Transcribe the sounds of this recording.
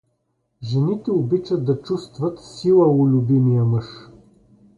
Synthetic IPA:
ʒɛnit̪ɛobit͡ʃəd̪̚d̪ɐt͡ʃust̪vɐt̪silˠəʊlʲʊbimijəmɤʃ

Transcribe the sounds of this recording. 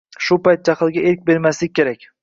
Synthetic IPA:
ʃʊpajt̪̚d͡ʒaχɨlˠɡʲaʔeɾk̚ʲbe̞ɾmaslɪk̚ʲkʰʲːe̞ɾakʲ

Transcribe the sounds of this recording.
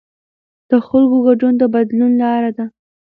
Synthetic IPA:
d̪̥əxalɡoɡaɖund̪əbad̪lunlɑɾad̪a

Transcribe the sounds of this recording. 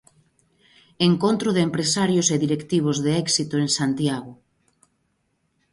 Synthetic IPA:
eŋkont̪ɾʊðeempɾesaɾjʊseðiɾekt̪iβ̞ozðeɛksit̪oeŋsant̪jaɣʊ

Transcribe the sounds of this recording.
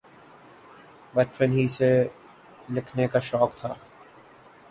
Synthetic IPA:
ʋɛʈfənɦise | lɪkʰnekaʃɔːkt̪ʰaː

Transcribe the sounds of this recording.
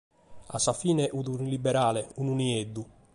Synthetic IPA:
a̰sːafiːnɛʔuðunilibːɛɾaːlɛununiɛd̪ːu

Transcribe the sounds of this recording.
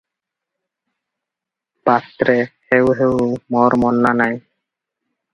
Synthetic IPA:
b̥ast̪ɾehewɦewmoɾmɔnːanaj

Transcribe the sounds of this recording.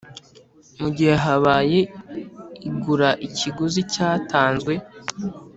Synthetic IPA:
muɟiheɦaβaːje̞ | iɡuɾaʔiciɡuzicaːtaːnzɡwe̞

